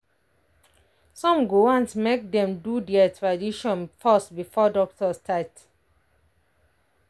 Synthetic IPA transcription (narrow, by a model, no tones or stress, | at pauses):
sɔ̃mɡoãnsmek̚dɛ̃mdudɛatʰɹadiʃɔ̃nfastbifɔdɔk̚tʰɔstʰaɪt